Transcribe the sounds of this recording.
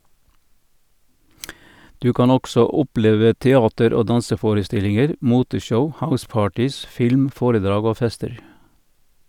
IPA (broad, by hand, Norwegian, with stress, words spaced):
ˈdʉː ˈkɑːn ˈɔɡsɔ ˈʊˌpleːʋə tɛˈɑːtəɾ ˈoː ˈdɑnsəˌfoːɾəˌstɪlɪŋəɾ ˈmuːtəˌʃəʊ ˈhaʊˌspɑːʈɪs ˈfɪlm ˈfoːɾəˌdɾɑːɡ ˈoː ˈfɛstəɾ